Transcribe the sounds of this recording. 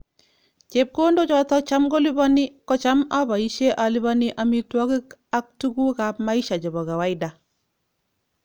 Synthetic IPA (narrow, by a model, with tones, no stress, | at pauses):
t͡ʃe˨p̚ko˦ndɔ˦t͡ʃɔ˦tɔ˦t͡ʃa˦mɡo˦li˦ba˦ni˦kɔ˦t͡ʃa˦ma˦ba˨i˦ʃe˦ʔa˨li˦βa˦ni˦ʔa˦mi˦twa˦ɡi˦ka˦k̚tu˦ɡu˦ka˨pma˦i˦ʃa˨d͡ʒɔ˨bɔ˨ɡa˨wa˦jda˨